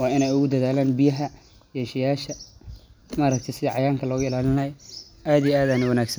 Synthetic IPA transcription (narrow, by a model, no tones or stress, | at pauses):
wɑːɪnɛjʊɣʊd̪ɐðaːlaːnbɪjɐɦɐ | jɛːʃɛjaːʃɐ | maːɾɐk̚t̪ʰɛjsɪðɐʕɑjaːŋkʰɐlɔːɣʊɪlaːlɪnɐj | ʔaːd̪ijɛaːðaːnɪwɐnaːɡsɐn